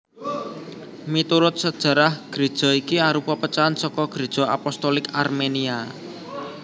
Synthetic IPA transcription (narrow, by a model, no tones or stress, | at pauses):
mit̪uɾʊt̪̚səd̥ʒ̥ä̤ɾahɡ̥ɾe̤d̥ʒ̥ɔ̤ikiaɾupɔpət͡ʃaansɔkɔɡ̥ɾe̤d̥ʒ̥ɔ̤a̰pɔst̪ɔlɪkarmenia